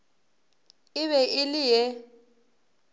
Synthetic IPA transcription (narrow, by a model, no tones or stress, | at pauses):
ɪβɛʔɪlɪjɛ